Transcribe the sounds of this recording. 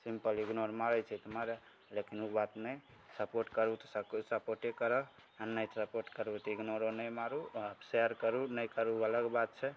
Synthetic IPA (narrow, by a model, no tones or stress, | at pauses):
simpəliɡnoɾmaɾəjt͡ʃʰɛt̪maɾe | lekinubat̪nəj | səpoɾʈkəɾut̪ɔ̥səksəpoɾʈekəɾə | anəjsəpoɾʈkəɾut̪iɡnoɾonəjmaɾuəbseəɾkəɾunəjkəɾuələɡbat̪̚t͡ʃʰɛ